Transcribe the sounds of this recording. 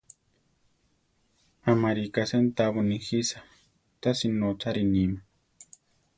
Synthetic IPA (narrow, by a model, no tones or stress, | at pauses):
amaɾikasent̪aβonixisa | t̪asinot͡saɾinima